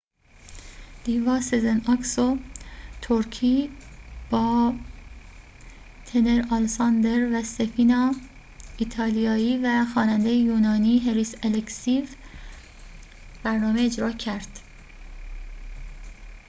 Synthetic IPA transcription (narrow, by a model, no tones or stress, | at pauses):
d̪̥iːvɒːsezenɒksot̪ʰoɾcʰiːb̥ɒː | t̪ʰene̞ɾɑlsɑnd̪eɾvæsefiːnɒː | it̪ʰɒːlijɒːiːvæxɒːnænd̪ejejuːnɒːniːɦeɾiseleksiv | b̥æɾnɒːmeːd͡ʒɾɒːcʰæɾd̪̥